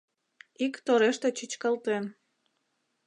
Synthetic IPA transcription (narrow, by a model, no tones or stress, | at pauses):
ikt̪oɾeʃt̪et͡ɕit͡ɕkɑlt̪en